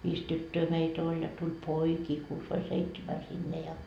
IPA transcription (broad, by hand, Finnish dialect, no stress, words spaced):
ʋiːs tytːøː meit olʲ jɑ tul poikiː kuːs ʋɑi seitsemæ sinːe jɑ